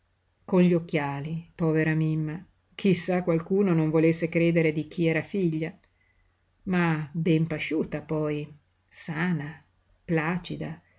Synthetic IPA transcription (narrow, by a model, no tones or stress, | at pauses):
konʎiokːjaːlipɔːveɾamimːa | kʰisːakːwalkuːnonoɱvolesːekɾeːd̪eɾed̪ik̟iɛːɾafiʎːa | mabɛmpaʃuːt̪apɔj | saːna | plaːt͡ʃid̪a